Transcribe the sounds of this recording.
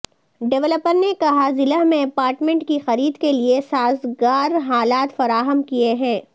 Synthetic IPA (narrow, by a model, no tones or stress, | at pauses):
ɖɛʋləpəɾnekɐɦazɪlamẽɐpaːɾʈmẽɳʈkixɐɾiːd̪keliesaːzɡaːɾɦaːlaːt̪fɐɾaːɦəmkieɦɛ̃ː